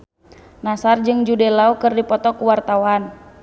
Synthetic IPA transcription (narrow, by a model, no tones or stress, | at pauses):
nasard͡ʒɨŋd͡ʒudɛlaukɨrdipɔt̪ɔkuwart̪awan